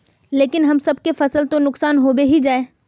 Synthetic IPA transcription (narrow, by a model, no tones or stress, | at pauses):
leːkɪnɦɐmsɐb̚kefɐsəlt̪õnʊksaːnɦoːbeɦid͡ʒaːeː